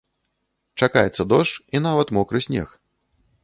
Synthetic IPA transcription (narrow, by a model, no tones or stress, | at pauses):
t͡ʂakajɛt̪sːɐd̪ɔʂt͡ʂin̪avɐt̪mɔkɾɨsʲnʲɛ̰x